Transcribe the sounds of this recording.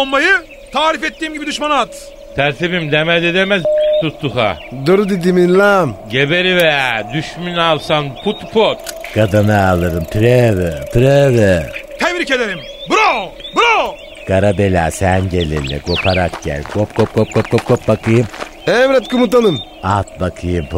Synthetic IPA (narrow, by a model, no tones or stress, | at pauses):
ommːajɯ | t̪ʰaːɾifɛt̪ːiːmɟibid̪yʃmanat̪ | t̪ʰæɾt̪ʰibimd̪emæled̪emɛzt̪ust̪uxa̰d̪oɾud̪id̪imilamɟebeɾivejad̪yʃmynalˠsanpʰut̪ʰpʰot̪kʰad̪anɯalˠɯɾɯmt̪ʰyɾevɛt̪ʰyɾɛvɛt̪ʰemɾiced̪eɾim | buɾobuɾo | kʰaɾabelʲaːsænɟelʲḭlʲɛ̰ɡopʰaɾak̚ɟæ̰lʲɡop̚kʰop̚kʰop̚kʰop̚kʰop̚kʰop̚bakʰɯjɯm | ɛmɾɛt̪̚kumut̪ːanɯm | at̪̚bakʰɯjɯmp